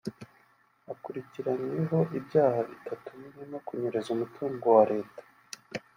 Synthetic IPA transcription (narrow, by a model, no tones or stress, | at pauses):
akuɾiciɾaɲeɦo̞ʔibjaːhaβitʰatumineno̞kuɲeɾezumutʰuːŋɡo̞waɾe̞ːtḁ